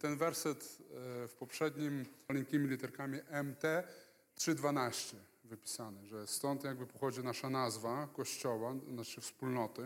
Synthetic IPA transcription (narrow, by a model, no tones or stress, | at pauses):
t̪ɛnvɛɾsɛt̪fpɔpʂɛd̪ɲimalɛŋkʲimʲilʲit̪ɛɾkamʲiʔɛmt̪ɛ | tʂɘd̪vanaɕt͡ɕɛvɘpʲi̥sanɘʐɛst̪ɔnt̪jaɡ̚bɘpɔxɔd͡ʑinaʂanazvakɔɕt͡ɕɔwanat͡ʂɘfspulnɔt̪ɘ